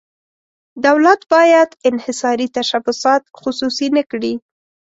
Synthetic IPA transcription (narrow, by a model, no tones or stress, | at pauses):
d̪awlat̪bɑjad̪ɪnhɪsɑɾit̪aʃabʊsɑt̪̚xʊsusinəkɽi